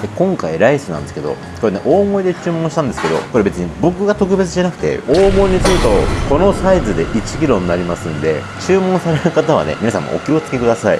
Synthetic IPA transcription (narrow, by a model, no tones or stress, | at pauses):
dekõ̞ŋkaiɾaisɨnã̰nd̪e̞sɨ̥ke̞d̪o̞̰ | koɾe̞neʔo̞ːmo̞id̪e̞t͡ɕɨːmõ̞ɕit̪ãnd̪e̞sɨ̥keo̞̰ko̞ɾe̞be̞t͡sɨɲ̟ibo̞kɯ̟ɡat̪o̞k̬ɯ̟be̞t͡sɨʑanakɯ̟̥t̪e̞̰oːmo̞iɲ̟it͡sɨɾɯt̪o̞̰ko̞no̞saizɨd̪e̞ʔit͡ɕi̥k̬ʲiɾõ̞nːaɾʲimasɨ̃nd̪e̞̰ | t͡ɕɨːmõ̞ɰ̃saɾeɾɯ̟kat̪aβ̞a̰ne̞̰mʲinasã̰mːo̰ʔo̰kʲiot͡sɨ̥ke̞kɯ̟d̪asaḭ